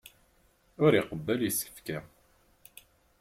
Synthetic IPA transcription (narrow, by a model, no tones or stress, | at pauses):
ʊɾiqəbːæljəsːkə̥fkæ